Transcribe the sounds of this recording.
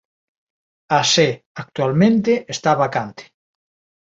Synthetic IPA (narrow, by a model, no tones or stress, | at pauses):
ase | ak̚t̪ualmẽnt̪eʔest̪aβakant̪e̥